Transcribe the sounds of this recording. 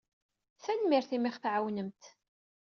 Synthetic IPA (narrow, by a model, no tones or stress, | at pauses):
θænmɪɾθimɪχθʕawnəmt̪